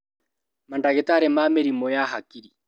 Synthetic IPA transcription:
mandaɣetaɾemameɾimɔjaɦakiɾi

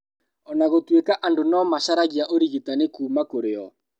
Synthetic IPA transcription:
ɔnaɣotwekaʔandonɔːmaʃaɾaɣiaʔoɾiɣetanekuːmakoɾeɔ̰

